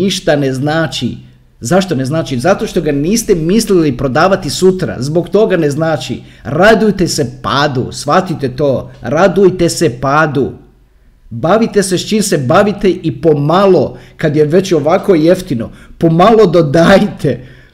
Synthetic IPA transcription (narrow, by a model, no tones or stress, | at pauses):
iʃt̪aneznaːt͡ʃḭ | zaʃt̪o̞ne̞znaːt͡ʃizat̪o̞ːʃt̪o̞ɡaniːst̪emislilipɾo̞d̪aːʋat̪isut̪ɾa̰zbo̞kt̪o̞ɡane̞znaːt͡ʃḭɾad̪ujt̪esepaːd̪ṵsʋat̪it̪e̞t̪o̞ːɾad̪ujt̪e̞sepaːd̪u | baʋit̪e̞sest͡ʃiːmse̞baʋit̪e̞ʔipo̞malo̞kad̪je̞ʋe̞t͡ɕo̞ʋako̞je̞ft̪ino̰po̞malˠo̞d̪od̪aːjt̪ʰe